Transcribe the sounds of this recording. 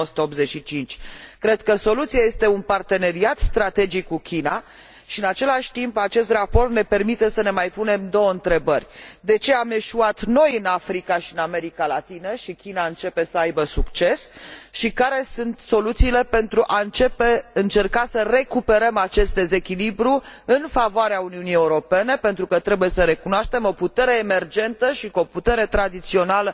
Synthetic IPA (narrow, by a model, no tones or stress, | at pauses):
osu̥t̪əo̞pbze̞t͡ʃʃit͡ʃint͡ʃʲkɾe̞d̪kəso̞lut̪sijaje̞st̪e̞unpart̪e̞ne̞ɾiat̪st̪ɾat̪e̞d͡ʒikːukʲina | ʃiɨnat͡ʃe̞laʃʲt̪impat͡ʃe̞st̪rapo̞rt̪ne̞pe̞rmit̪esəne̞majpune̞md̪o̞wəɨnt̪ɾe̞bərʲd̪e̞t͡ʃe̞ame̞ʃuat̪no̞jɨnafɾikaʃiɨname̞ɾikalat̪inəʃikʲinaɨnt͡ʃe̞pe̞səajbəsukt͡ʃe̞sʃikaɾe̞sunt̪so̞lut̪siːle̞pe̞nt̪ɾuʔaɨnt͡ʃe̞pe̞ɨnt͡ʃe̞rkasəre̞kupe̞ɾəmat͡ʃe̞st̪̚d̪e̞ze̞kʲilibɾuɨnfavoaɾeauniunijeuɾo̞pe̞ne̞pe̞nt̪ɾukət̪ɾe̞buje̞səɾe̞kunoaʃt̪e̞mo̞put̪e̞ɾe̞ːme̞rd͡ʒe̞nt̪əʃikoput̪e̞ɾe̞t̪ɾad̪it̪sio̞nalə